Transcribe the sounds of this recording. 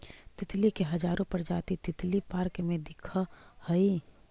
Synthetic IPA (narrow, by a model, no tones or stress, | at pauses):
t̪ɪt̪likeɦɐd͡ʒaːɾõpɐɾd͡ʒaːt̪it̪ɪt̪lipaːɾkmẽd̪ɪkʰahɐi